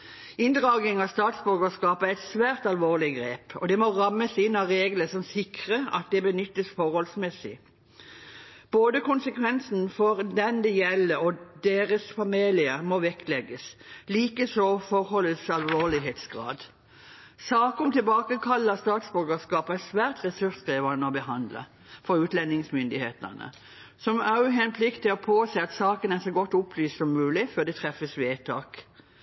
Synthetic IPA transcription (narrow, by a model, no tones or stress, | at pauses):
ɪnd̪ʁɑːɡnɪŋɑst̪ɑːt̪sbʏɾɡəskɑːpəæɪt̪sʋæːʁt̪ɑlʋoːʁlɪɡʁeːpɔ̰d̪ɛmɔʁɑmːəsɪnːɑʁeːɡləsɔmsɪkʁəɑ̰t̪̚d̪ɛbənʏt̪ːəsfɔʁhɔlsmɛsɪ̰ | b̥oːd̪əkʊnsəkʰʋɛnsn̩fɔʁd̪ɛnd̪ɛjɛlːəɔd̪eːʁəsfɑmelɪəɾmɔʋɛklɛɡəsliːkəsɔfɔʁhɔləsɑlʋoːʁlɪɦeːt̪sɡʁɑ̰ːd̪ | sɑːkɔmt̪ɪlbɑːkəkʰɑlːəst̪ɑːt̪sbʉʁɡəskɑːpæsʋæːʁt̪ʁɛsʉsɡ̥ʁiːʋɑnəɔbəɦɑnd̪lə̰ | fɔʁʉːt̪lɛnːɪŋsmʏnd̪ɪheːt̪ə̰nə̰ | sɔmɑʉɦɛnpʰlɪkt̪ɪɔpʰoːsæɪɑt̪sɑːkənæʁsɔɡɔt̪ːʊpʰlyːst̪sɔmːʉːlɪføːd̪ɛt̪ʰʁɛfəsʋeːt̪ʰɑ̰ːk